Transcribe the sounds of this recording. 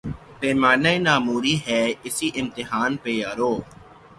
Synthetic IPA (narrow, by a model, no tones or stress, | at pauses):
peːmaːnainaːmuːɾiɦɛːɪsiʔɪ̃mt̪ɪɦaːnpeːjaːɾoː